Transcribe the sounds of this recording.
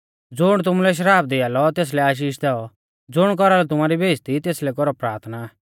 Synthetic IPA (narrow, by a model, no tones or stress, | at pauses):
d͡zʊɽ̃t̪̬ʊmulɛʃ̬əɾaːp̚d̪ɪaːlɔt̪eːs̬lɛaːʃ̬iːʃd̪ɛɔ | d͡zʊɽ̃k̬ɔɾalɔt̪̬ʊmaːɾibʱeːd͡zt̪it̪eːslɛkɔɾɔpɾaːɾt̪ʰnaː